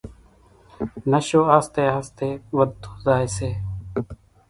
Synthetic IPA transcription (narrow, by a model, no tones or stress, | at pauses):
nəʃoːaːst̪eːɦast̪eːʋəd̪o̥ːzaːeseː